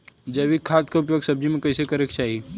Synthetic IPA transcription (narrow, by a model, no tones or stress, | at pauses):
d͡ʒɐʋikʰːaːt̪kaʊp̬joːɡsɐb̚d͡ʒimẽkɐɪsekɐɾekt͡ʃaːɦi